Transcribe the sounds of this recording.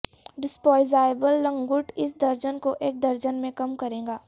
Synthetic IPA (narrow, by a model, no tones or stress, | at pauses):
ɖɪspɔːɪzaːebəlːɐ̃ŋɡʊʈɪs̬d̪ɐɾd͡ʒənkoʔeːk̚d̪ɐɾd͡ʒənmẽkɐmkɐɾẽːŋɡaː